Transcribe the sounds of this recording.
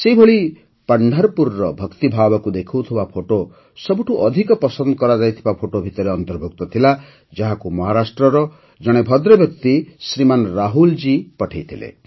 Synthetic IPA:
sejbʱoɭi | paɳɖʱaɾpuɾːɔbʱʌkt̪ibʱabɔkud̪ekʰut̪ʰibapʰoʈo | sɔbuʈʰuʔɔd̪ʱikɔpɔsɔnd̪kɔɾad͡ʒajt̪ʰibapʰoʈobʱit̪ɔɾeɔnt̪ɔɾbʱuk̚t̪ɔt̪ʰila | d͡ʒaɦakumɔɦaɾasʈɾɔɾɔ | d͡ʒɔɽ̃ebʱʌd̪ɾɔbjʌk̚t̪isɾimanɾaɦuld͡ʒipɔʈʰejt̪ʰilḛ

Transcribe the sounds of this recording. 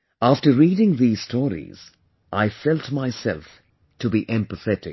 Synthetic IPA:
æftəɹiːɾɪ̃ŋðiːz̥stʰɔɹḭz̥ | ʔaɪfɛlˠtmaɪsɛ̰lˠf | tʰɨbiʔɛ̃mpəθɛɾɪk

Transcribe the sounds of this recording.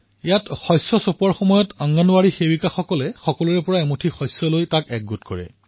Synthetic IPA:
ijatxɔjsɔsopɔɹxɔmɔjɔtaŋɡanʊaɹixewikaxɔkɔlɛxɔkɔluɹɛpɔɹaɛmotʰixɔjsɔlojtakɛk̚ɡutkɔɹɛ̰

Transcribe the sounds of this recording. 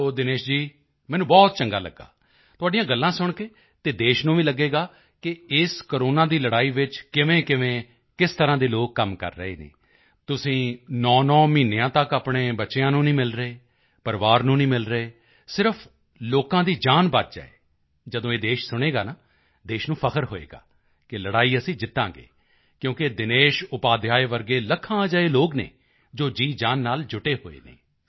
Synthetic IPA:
oːd̪ɪneːʃd͡ʒiː | mɛːnũːbɔːt̪̚t͡ʃəŋɡa̰ːlə̰ɡːa̰ː | t̪ʊaːɖijãːɡəlːãːsʊɳkeː | t̪eːd̪eːʃnũːʋiːləɡːeːɡaː | kɪɪskoːɾoːnãːd̪iːləɽaːiːʋɪt͡ʃkɪʋẽːkɪʋẽː | kɪst̪əɾãːd̪eːloːkːəmkə̰ɾːəḛːnḛː | t̪ʊsĩːnɔːnɔːmiːneãːt̪əkaːpɽeːbəːʃeãːnũːnĩːmɪlɾəeː | pəɾʋaːɾnũːnĩːmɪlɾəeː | sɪɾəpʰ | loːkãːd̪iːd͡ʒaːnbət̪̚d͡ʒa̰ːḛː | d͡ʒəd̪õːeːd̪eːʃsʊɽ̃eːɡaːnaː | d̪eːʃnũːpʰəkʰəɾɦoːḛːɡa̰ː | kɪləɽaːiːəsĩːd͡ʒɪt̪ːã̰ːɡḛː | kjõːkɪd̪ɪneːʃʊpaːd̪jaːeːʋəɾɡeːləkʰãːaːd͡ʒaːeːloːknḛː | d͡ʒoːd͡ʒiːd͡ʒaːnːaːld͡ʒʊʈeːɦo̰ːḛːnḛː

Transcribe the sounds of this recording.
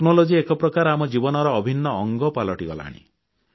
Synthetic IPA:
knolod͡ʒiekɔpɾɔkaɾamɔd͡ʒibɔnɔɾɔːbʱinːɔːŋɡɔpalɔʈiɡɔla̰ɽ̃ḭ

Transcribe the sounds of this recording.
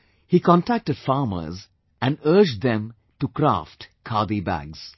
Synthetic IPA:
hikɔ̃nʈæk̚ʈəɖ̥faːɾmə̰ɾz | æ̃nɖəːd͡ʒd̪ɛ̃m | ʈukɾa̰ːfʈkʰaːd̪ibæ̰ɡz̥

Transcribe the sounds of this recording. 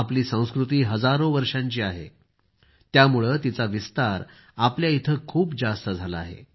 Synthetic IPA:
apliːsə̃w̃skɾut̪iːɦəd͡zaɾoʋəɾʂaɲt͡ɕiːaɦḛ | t̪jamuɭət̪it͡saʋist̪aɾ | apljait̪ʰəkʰuːpd͡zast̪əd͡zʱalaaːɦḛ

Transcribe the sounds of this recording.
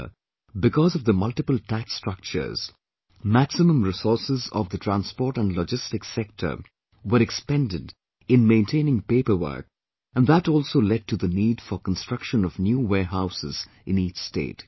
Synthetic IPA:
bɪkɔzʌvðəmʌlʈɪpəltʰækstɹ̥ʌk̚t͡ʃə̰˞z̥ | mæksɪmə̃mɾɪsɔɹsɪzɔ̰vd̪ətʰɹæ̃nspɔːɾʈæ̃nlɔd͡ʒɪstɪksɛk̚tʰə̰˞ | wəɾɛkspɛ̃ndɪd | ɪ̃nmẽɪ̃ntʰẽɪnɪ̃ŋpeɪpə˞wə̰˞k | æ̃nðætɔːlˠsoːlɛɖ̚ʈʰuðəniːɖfəɾkə̃nstɹ̥ʌkʃə̃nɔvnjuːweːɦaʊsɪz | ʔɪ̃niːt͡ʃstḛːt

